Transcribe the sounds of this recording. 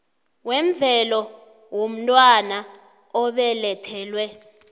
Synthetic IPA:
wɛɱb̪vʱɛlɔ | wom̩tʼwana | ɔɓɛlɛtʰɛːlwɛ

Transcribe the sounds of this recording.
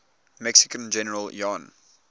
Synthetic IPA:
mɛksɪkə̃nd͡ʒɛnəɹəljɔ̃n

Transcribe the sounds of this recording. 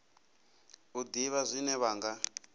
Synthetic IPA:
ud̪iβazʷinɛβaːŋɡa

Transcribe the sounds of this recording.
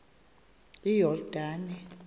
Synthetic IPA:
ijɔrd̥ʱaːnɛ

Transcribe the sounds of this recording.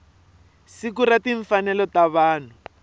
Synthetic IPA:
sikuɾatiɱfanɛlɔtaβaːn̤u

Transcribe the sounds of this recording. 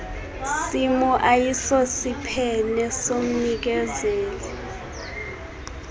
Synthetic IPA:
simuʔajisosipʰɛnɛsom̩nik̬ɛzeːli

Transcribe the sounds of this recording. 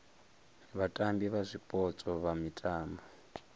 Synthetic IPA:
βatʼambiβazʷipʼɔt͡sʼɔβamitʼaːmbɔ

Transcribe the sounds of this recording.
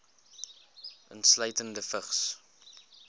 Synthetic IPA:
ʔə̰ntsləjtəndəfəχs

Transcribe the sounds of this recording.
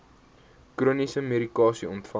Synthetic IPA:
kruənisəmeɾikɑːsiɔntfɐ

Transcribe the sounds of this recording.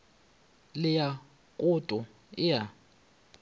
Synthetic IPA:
lɪja | kʼʊtʼʊ | ɪja

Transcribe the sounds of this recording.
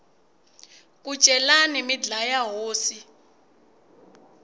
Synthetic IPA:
k̬ʼut͡ʃʼɛlanimid͡ɮajaɦoːsi

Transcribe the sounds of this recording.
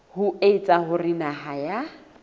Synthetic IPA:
hʊeit͡sʼaɦʊrɪnaɦaja

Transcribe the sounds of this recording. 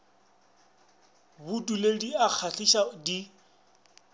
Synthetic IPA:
bʊdulediak͡xʰaɬiʃadi

